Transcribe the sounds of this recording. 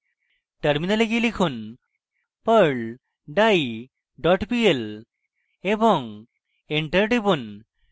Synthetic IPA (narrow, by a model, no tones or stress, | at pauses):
ʈəɾminəleɡilikʰun | pəɾɭ | ɖaj | ɖɔʈpiel | ebɔŋ | eɳʈəɾʈibun